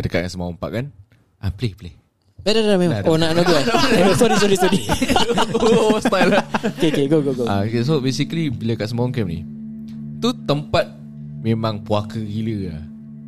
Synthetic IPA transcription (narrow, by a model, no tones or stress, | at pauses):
adəka̰ʔ̚asəmawɔmpa̰ʔkan | ʔapleple | bɛdadaamẽmaaonaʔnaɡuanasɔɾist̪ɔɾist̪udi | st̪ajlaokeokeɡoɡoɡoa̰okes̬obesiklibilakaʔsəmawɔŋkɛmnḭ | t̪ut̪əmpat̪̚ | mẽmãŋpuakəɣiləa̰